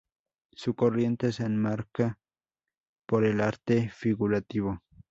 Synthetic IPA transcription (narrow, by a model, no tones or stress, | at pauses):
sʊkorje̞nt̪esenmaɾka | poɾelaɾt̪efiɣuɾat̪iβo